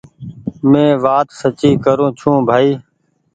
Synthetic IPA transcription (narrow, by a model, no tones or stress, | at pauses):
mẽːʋaːt̪sət͡ʃiːkəɾõːt͡ʃʰũːbʱaːiː